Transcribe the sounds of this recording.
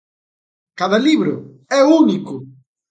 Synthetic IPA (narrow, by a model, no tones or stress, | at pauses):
kaðɐliβɾʊ | ɛunikʊ